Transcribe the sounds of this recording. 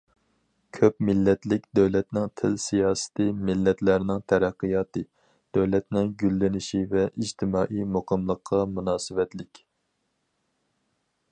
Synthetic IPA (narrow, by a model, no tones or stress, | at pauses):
kʲʰøpmɪlːɛt̪lɪkʲd̪øwlɛt̪nɪŋt̪ʰɪlsijɑːsɨ̥t̪ʰɨmɪlːɛt̪læɾnɪŋt̪ʰɛɾæqːɨjɑːt̪ɨ | d̪̥øwlɛt̪nɪŋɡʲylːɪnɪʃivɛʔid͡ʒt̪ʰɪmɑːʔijmoqʰəmlˠəqʰːɑmunɑːsɨvɛt̪lɪkʲ